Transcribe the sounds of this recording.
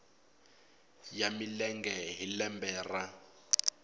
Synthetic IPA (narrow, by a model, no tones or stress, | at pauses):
jamilɛŋɡɛɦilɛmbɛːra